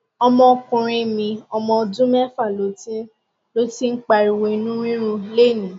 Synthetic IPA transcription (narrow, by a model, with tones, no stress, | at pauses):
ɔ˧mɔ̃˧kũ˨ɾ̃ĩ˧mĩ˧ɔ˧mɔ̃˧dũ˦mɛ˦fa˦˨lo˨˦tĩ˦ | lo˦ti˦ŋ̩˦k͡pa˧ɾi˨we˧nũ˦ĩ˦ɾ̃ũ˧le˦˨nĩ˨˦